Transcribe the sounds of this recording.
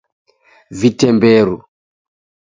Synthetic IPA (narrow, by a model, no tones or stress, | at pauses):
vitɛmbɛːɾu